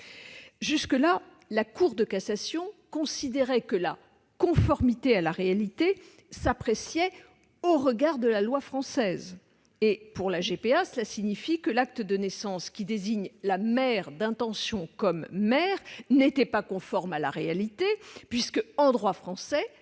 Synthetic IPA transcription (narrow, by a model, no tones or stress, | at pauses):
ʒyskəla | lakuʁd̪əkasasjɔ̃kɔ̃sid̪eʁɛkəla | kɔ̃fɔʁmit̪ealaʁealit̪e | sapχesjɛ | oʁəɡaʁd̪əlalwafχɑ̃sɛz | epuʁlaʒepeasəlasiɲifikəlak̚t̪əd̪ənɛsɑ̃skʲid̪eziɲlamɛʁd̪ɛ̃t̪ɑ̃sjɔ̃kɔmːɛʁnet̪ɛpakɔ̃fɔʁmala̰ʁealit̪epɥiskəɑ̃d̪ʁwafχɑ̃sɛ